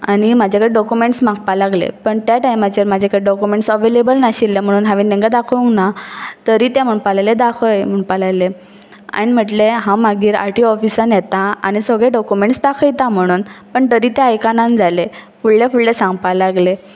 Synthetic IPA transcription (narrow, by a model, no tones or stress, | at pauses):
añimad͡ʑʱakəɾeɖɔkjumeɳʈsm̤ãk̚palaɡlḛpəɳt̪jaʈajmat͡ɕəɾmad͡ʑʱakəɾeɖɔkumeɳʈsəʋelebəlnaɕilːem̤əɽ̃uːnɦãʋinẽŋɡad̪akʰəũŋɡnat̪əɾiːt̪ẽm̤əpalajled̪akʰəjm̤əɳpalajle | a̰ɽ̃im̤əʈleɦãmaɡiːɾa̰ɾʈiɔfisənjɛt̪aa̰ñisəɡɭeɖɔkumeɳʈsd̪akʰəjt̪ãm̤əɽ̃uːnpəɳt̪əɾiːt̪ẽajkanãnd͡zalefuɭlefuɭlesãŋɡpalaɡle